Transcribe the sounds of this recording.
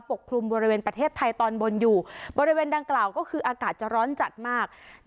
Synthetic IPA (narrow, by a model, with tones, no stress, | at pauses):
po˨˩kʰːɾu˧mbɔː˧ɾi˧weː˧npɾa˧t̪ʰeː˥˩t̪ʰːa˧jt̪ɔː˧nbo˧njuː˨˩bɔː˧ɾi˦weː˧nda˧ŋklaː˨˩wkɔː˥˩kʰɯː˧ʔaː˧kaː˨˩t̪̚t͡ɕa˨˩ɾɔː˦˥nt͡ɕa˨˩t̪̚maː˥˩k̚